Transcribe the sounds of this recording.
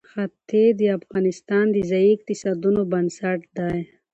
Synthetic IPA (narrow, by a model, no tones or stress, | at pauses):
xat̪ʰed̪iafɣɑːnist̪ɑːnd̪izaik̚t̪isad̪unobɐnsaʈd̪aj